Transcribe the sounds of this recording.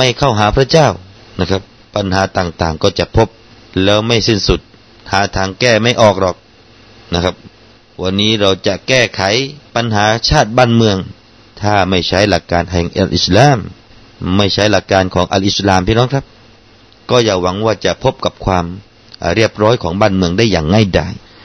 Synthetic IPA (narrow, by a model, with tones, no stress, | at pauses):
ma˥˩jkʰa˥˩wɦaː˩˦pʰɾa˧t͡ɕaː˥˩w | na˧˩kʰa˦˥p̚ːa˧nɦaː˩˦t̪aː˨˩ŋt̪aː˨˩ŋkɔː˧˩t͡ɕa˨˩ʔpʰo˦˥p̚ | lɛː˦˥wma˥˩jsi˥˩nsu˨˩t̪̚ | haː˩˦t̪ʰaː˧ŋkɛː˥˩ma˥˩jʔɔː˨˩k̚dɔː˨˩k̚ | na˧˥kʰa˦˥p̚ | wa˧nːiː˦˥ɾa˧wt͡ɕa˨˩kɛː˥˩kʰa˨˩˦jpa˧nɦaː˨˦t͡ɕʰaː˥˩t̪̚baː˥˩nmɯ˧əŋ | t̪ʰaː˥˩ma˥˩jt͡ɕʰa˦˥jla˨˩kːaː˧nhɛ˨˩ŋʔa̰˧˩lʔi˨˩slaː˧˨˩m | ma˥˩jt͡ɕʰa˦˥jla˨˩kːaː˧nkʰɔː˨˦ŋʔa̰˧lʔi˧˩slaː˨˩mpʰiː˥nɔː˦˥ŋkʰa˦˥p̚ | kɔː˥˩jaː˨˧˩wa˩˦ŋwaː˥˩t͡ɕa˨˩ʔpʰo˦˥p̚ka˨˩p̚kʰwaː˧m | ɾi˥˩əp̚ɾɔː˦˥jkʰɔː˩˦ŋbaː˥˩˨nmɯ˧əŋdaː˥˩jːaː˨˩ŋːa˥˩jda̰ː˧˩j